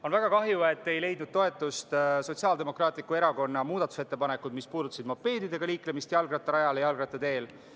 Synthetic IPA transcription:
o̞nvæɡ̥ɑkɑɦjue̞t̪ːe̞jle̞jd̪nud̪̥̚t̪o̞e̞t̪ːˑust̪so̞t̪ʲsiɑld̪e̞mo̞krɑːt̪ˑlikːue̞ɾɑko̞nːɑmuːd̪ɑt̪ːˑu̥set̪ːe̞pɑne̞kːˑud̪̥mispuːd̪ut̪ːɑsid̪mopːe̞ːd̪id̪e̞ɡ̥ɑliːklemist̪jɑlɡrɑt̪ːɑɾɑjɑlejɑlɡrɑt̪ːˑet̪e̞ːl

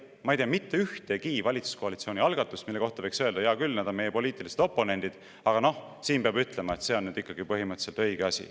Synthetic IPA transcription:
mɑejt̪eɑmit̪ːe̞yht̪e̞kiːvɑlʲit̪su̥sko̞ɑlit̪sio̞ːnʲiɑlɡ̥ɑt̪ːˑusmilːe̞ko̞ht̪ɑvɤjksøe̞ld̪ɑjɑkylnæːd̪ome̞je̞po̞liːt̪ˑilise̥t̪o̞pːˑo̞ne̞nʲd̪̥id̪̥ | ɑɡ̥ɑno̞h | siːnbeɑbyt̪ˑle̞mɑet̪se̞o̞nnyːd̪̥ikːˑɑɡ̥ipɤɦimɤt̪se̞lt̪ɤjɡ̥eɑsʲḭ

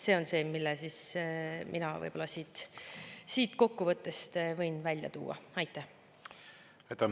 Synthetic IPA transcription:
se̞ːo̞nse̞ːmilːesismʔinɑvɤ̰jb̥o̞lɑsiːt̪ | siːt̪ko̞kːuvɤt̪ːe̞st̪vɤjnvælʲjɑ̰t̪ṵːɑ̰ɑjt̪ːˑæh | ɑjt̪ːˑɑ

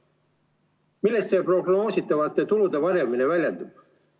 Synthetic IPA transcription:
milːe̞st̪se̞ːpro̞ɡno̞ːsit̪ːˑɑvɑt̪ːˑe̞t̪ulud̪̥e̞vɑɾemine̞vælʲjend̪ub̥

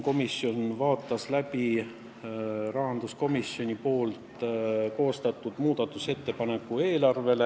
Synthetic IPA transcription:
ko̞misjo̞nvɑːt̪ːˑɑslæpi | rɑɦɑnd̪̥usko̞misjo̞nʲipo̞ːlt̪ko̞ːst̪ɑt̪ːˑud̪̥muːd̪̥ɑt̪ːˑuse̞t̪ːe̞pɑne̞kːˑue̞ːlɑrve̞le

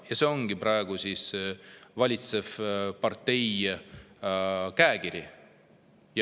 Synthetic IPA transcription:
jɑse̞o̞ŋɡ̥ipɾɑeɡ̥usiːsvɑlʲit̪se̞vpɑrt̪ːe̞j | kæekiɾi | j

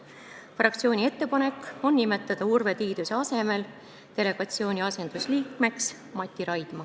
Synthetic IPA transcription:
frɑkt̪sio̞ːnʲie̞t̪ːe̞pɑne̞kːˑo̞nːime̞t̪ːˑɑd̪̥ɑurve̞t̪iːd̪useɑse̞me̞l | t̪e̞le̞ɡ̥ɑt̪sio̞ːnʲiɑse̞nd̪̥usliːkme̞ks | mɑt̪ʲːˑiɾɑjd̪̥mɑ

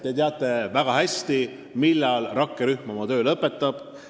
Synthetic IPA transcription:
t̪ːet̪eɑt̪ːˑe̞væɡ̥ɑhæsʲt̪i | milːɑlrʔɑkːeɾyhmɑmɑt̪ø̞ːlɤpːˑe̞t̪ːˑɑb̥

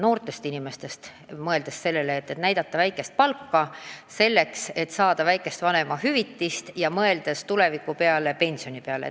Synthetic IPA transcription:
no̞ːrt̪ˑe̞st̪inime̞st̪e̞st̪ | mɤ̞e̞ld̪̥esːe̞lːe̞leːt̪ːet̪næjd̪̥ɑt̪ˑːɑvæjkːˑe̞st̪̚pɑlkːɑse̞lːe̞kse̞t̪ːsɑːd̪̥ɑvæjkːˑe̞st̪vɑne̞mɑɦyvit̪ːist̪jɑmɤe̞ld̪̥e̞st̪ule̞vikːˑupe̞ɑle̞pe̞nʲsio̞nipeɑlḛ

